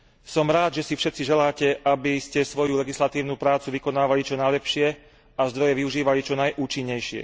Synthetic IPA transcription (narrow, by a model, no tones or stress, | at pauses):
sɔmɾaːd̪ʒɛsifʃɛt̪t͡siʒɛlaːcɛʔabiscɛsʋɔjulɛɡislat̪iːʊnuːpɾaːt͡suʋikɔnaːʋalit͡ʃɔnajlɛpʃɪɛ | azd̪ɾɔjɛʋiuʒiːʋalit͡ʃɔnajʔuːt͡ʃiɲːɛjʃɪɛ̰